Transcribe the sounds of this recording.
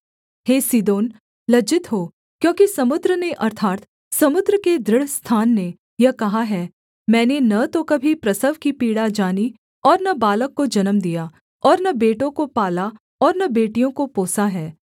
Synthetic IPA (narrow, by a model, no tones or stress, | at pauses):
heːsid̪oːn | lɐd͡ʒɪt̪ɦoː | kjõːkisɐmʊd̪ɾəneʔɐɾt̪ʰaːt̪ | sɐmʊd̪ɾəked̪ɾɪɽ̤st̪ʰaːnːe | jɐɦkɐɦaɦɛ | mɛ̃ːnenɐt̪okɐbʱipɾɐsəʋkipiːɽad͡ʒaːni | ɔːɾnɐbaːləkːod͡ʒɐnəmd̪ijaː | ɔːɾnɐbeːʈõkopaːla | ɔːɾnɐbeːʈijõkopoːsaɦɛː